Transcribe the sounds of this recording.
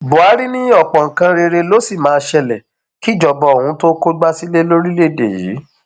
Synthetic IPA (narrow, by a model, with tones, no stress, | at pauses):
bo˨a˨˦ɾi˦nĩ˦ɔ˦˨k͡pɔ̃˨ŋ̩˨kã˧ɾe˧ɾe˧lo˦si˦˨mãː˨˦˧ʃɛ˧lɛ˨ | ki˦˨d͡ʒɔ˨bɔ˧o˨hũ˨˦to˦ko˦ɡ͡ba˦si˦le˦lo˦ɾi˦le˦˨dḛ˨jḭ˨˦